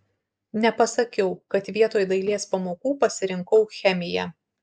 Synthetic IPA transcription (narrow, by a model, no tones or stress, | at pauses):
nʲɛpɐsɐkʲɛʊkɐt̪ʋʲiɛt̪oːjd̪ɐɪlʲiɛspɐmoːkuːpɐsʲɪɾʲɪŋkɐʊxʲɛmʲɪjɛ̰